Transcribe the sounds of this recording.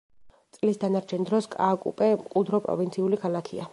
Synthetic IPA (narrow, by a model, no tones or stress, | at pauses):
tt̪sʼlisd̪anaɾt͡ʃʰɛnd̪ɾɔskʼa̰ːkʼṵpʼɛmqʼud̪ɾɔpʼɾɔ̰vint̪sʰiulikʰalˠakʰḭa